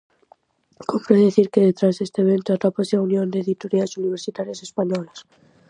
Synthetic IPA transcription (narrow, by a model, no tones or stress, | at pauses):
kompɾeðeθiɾke̞ðe̞t̪ɾazðest̪eβe̞nt̪oat̪ɾapaseaunjo̞nd̪e̞ːðit̪oɾiasuniβ̞e̞ɾsit̪aɾjase̞spaɲolas